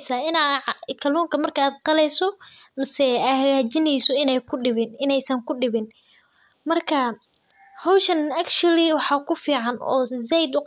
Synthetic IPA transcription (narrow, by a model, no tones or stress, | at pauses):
saːɪnaʕkʰɐluːŋkʰɐmɐrkʰɐaːd̪̚qɑlɛjsɔmɐsɛaːhɐɣaːt͡ʃɪnɛjsɔɪnɛjkʰʊɖɪβɪnɪnɛjsɐŋkʰʊɖɪβɪn | mɐrkʰɐ | hɔwʃɐnɐkt͡ʃʊliwɑħɑːkʰʊfiːʕɑnɔ̰ːsɛjd̪ʊ